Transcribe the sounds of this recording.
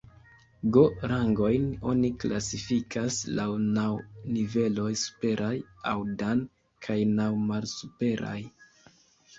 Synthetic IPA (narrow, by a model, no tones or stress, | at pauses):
ɡo̞ɾaŋɡo̞jno̞̰nikla̰sifikʰaslawnawnive̞lo̞jsu̥pe̞ɾʔaja̰wdan | kʰajnawmalsupe̞ɾa̰j